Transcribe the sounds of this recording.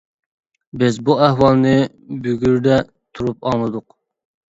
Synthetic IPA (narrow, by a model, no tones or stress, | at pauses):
bɪzbuæhwɑlˠnɨ | bøɡʲyɾd̪ɛ | t̪ʰuɾupɑmˠɨd̪ʊq